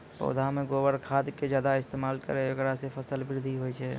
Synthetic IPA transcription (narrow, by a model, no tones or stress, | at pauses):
pə̰ʊd̪ʱameɡobəɾkʰad̪ked͡ʒjaːd̪aɪst̪emalkə̰ɾeokɾasepʰəsəlbɪɾd̪ʱiɦojt͡ʃʰɛ